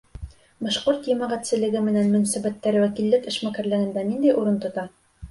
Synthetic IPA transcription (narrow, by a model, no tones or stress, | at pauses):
bɒʃqoɾt̪jɘ̆mæʁæt̪sɘ̆lɘ̆ɡɘmɘ̆nænmɵ̆næsæbæt̪ːæɾwækilːɘkɘ̆ʃmækæɾlɘ̆ɡɘ̆nd̪ænind̪æjʔuɾɤnt̪ŏt̪ɑ